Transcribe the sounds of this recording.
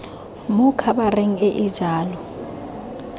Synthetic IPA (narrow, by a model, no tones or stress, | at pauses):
mʊkʰaɓareŋ̩eʔɪd̥d͡ʒ̥ʱaːlɔ